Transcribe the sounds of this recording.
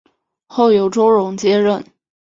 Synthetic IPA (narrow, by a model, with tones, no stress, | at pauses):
xo˥˩ʊjo˧˥ʊʈ͡ʂo˥ʊɻʊ˧˥ŋt͡ɕjɛ˥ɻə˥˩n